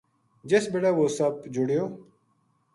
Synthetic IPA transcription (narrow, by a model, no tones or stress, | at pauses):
d͡ʒesbeːʈaːʋoːsəbd͡ʒʊɽjoː